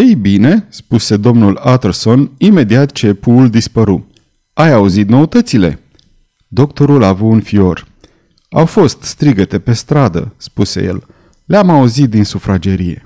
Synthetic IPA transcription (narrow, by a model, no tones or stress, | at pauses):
ejbine̞spuse̞d̪o̞mnulat̪erso̞nime̞d̪iat̪t͡ʃe̞puːld̪ispəɾu | ajauzit̪̚no̞ut̪ət̪sile̞̰ | d̪o̞kt̪o̞ɾulavuunfio̞r | a̰wfo̞st̪st̪ɾiɡət̪e̞pe̞st̪ɾad̪ə̰spuse̞̰jḛl | leamauzit̪̚d̪insufɾad͡ʒe̞ɾije̞̰